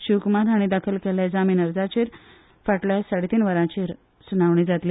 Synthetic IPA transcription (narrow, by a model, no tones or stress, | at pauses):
ɕukmad̪aɽ̃id̪akʰəlkɛljad͡zamiːnəɾd͡zat͡ɕiɾ | faʈljasaɽit̪iːnʋəɾãt͡ɕiɾ | sunaʋɳ̃id͡zat̪li